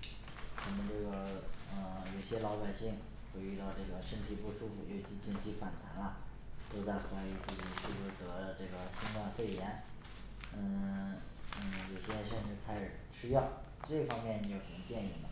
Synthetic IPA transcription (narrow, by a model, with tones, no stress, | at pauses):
wa˧˩mə˧ʈ͡ʂɤ˥˩ɡə˩ə˧jo˨˩ʊɕjɛ˥lɑ˧˥ʊpa˨˩ɪɕi˥˩ŋ | xwe˥˧ɪy˥˧t̪ɑ˥˧ʊʈ͡ʂɤ˥˩ɡə˩ʂə˥nt̪ʰi˨˩pu˥˧ʂu˥fṵ˨˩ɔ˥˩t͡ɕʰi˧˥t͡ɕi˥˩nt͡ɕʰi˥fa˨˩nt̪ʰa˧˥nɐ˧ | t̪o˥ʊt͡sa˥˩ɪxwa˧˥ɪi˧˥t͡sɹ̩˥˩t͡ɕi˨˩ʂʰy˥˩u˧˥˩t̪ɤ˧˥˧ʈ͡ʂɤ˥˩ɡə˩ɕi˥ŋk̪wa˥˧nfe˥˩ɪjɛ˧˥n | ə˥˧ | ə˥˩jo˨˩ʊɕjɛ˥ʂɛ˥˧˥kʰa˥ɪʂɻ̩˨˩ɕy˥jɑ˥˩ʊ | ʈ͡ʂɤ˥˩fɑ˥ŋmjɛ˥˩n˧˥˧jo˨˩ʊxə˨˩nt͡ɕjɛ˥˧ni˥˩nə˩